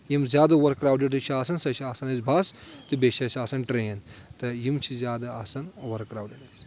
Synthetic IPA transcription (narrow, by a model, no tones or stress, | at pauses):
jimzʲjaːd̪ɐʋɐɾkːɾaːwɖeɖɐt͡ʃʰiaːsɐnsɐt͡ʃʰiaːsɐnɐzbʱɐst̪ɨbeʃʰɐt͡ʃʰʲiaːsɐnʈɾeːnt̪ɨjimt͡ʃʰizʲjaːd̪ɐasɐnʋɐɾkːɾaːwɖeɖɐs